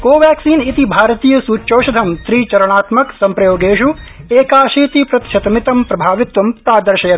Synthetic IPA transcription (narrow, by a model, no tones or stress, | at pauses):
koːʋjaːksiːnit̪ibʱaːɾt̪iːjɐsuːt͡ʃoːʃɐd̪ʱɐmst̪ɾiːt͡ʃɐɾɐɽ̃aːt̪mɐksɐmpɾɐjoːɡeːʃueːkaːʃiːt̪ipɾɐt̪ʃʰɐt̪ɐmit̪ɐmpɾɐbʱaːʋɪt̪ʋɐmpɾaːd̪ɐɾʃɐjɐ